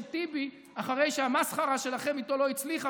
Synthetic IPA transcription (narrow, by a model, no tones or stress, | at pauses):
t̪ibi | aχaʁe̞jʃeamasχaʁaʃe̞laχe̞mit̪o̞lo̞it͡sliχa